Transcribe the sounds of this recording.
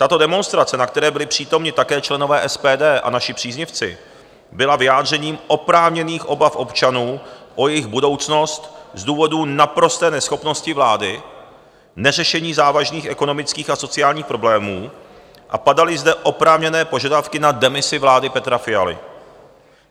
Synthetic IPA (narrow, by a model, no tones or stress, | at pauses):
t̪at̪o̞dɛmo̞nst̪ɾat͡sɛnakt̪ɛɾɛːbɪlɪpr̝̥iːt̪o̞mɲɪt̪akɛːt͡ʃlɛno̞vɛːʔɛspɛːdɛːʔa̰naʃɪpr̥iːzɲɪft͡sɪ̰ | bɪlavɪjaːd̪r̝ɛɲiːmʔo̞pɾaːvɲɛniːxʔo̞bafʔo̞pt͡ʃanuːʔo̞jɛjɪxbudo̞wt͡sno̞st̪zduːvo̞duːnapɾo̞st̪ɛːnɛsxo̞pno̞scɪvlaːdɪ | nɛrɛʃɛɲiːzaːvaʒniːxʔɛko̞no̞mɪt͡skiːxaso̞t͡sɪaːlɲiːxpɾo̞blɛːmuː | ʔa̰padalɪzdɛʔo̞pɾaːvɲɛnɛːpo̞ʒadafkɪnadɛmɪsɪvlaːdɪpɛt̪ɾafɪjalɪ̰